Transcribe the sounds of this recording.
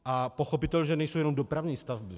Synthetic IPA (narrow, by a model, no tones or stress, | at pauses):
ʔapoxopit̪ɛlɲʒɛnɛjsowjɛnomdopɾavɲiːst̪avbɪ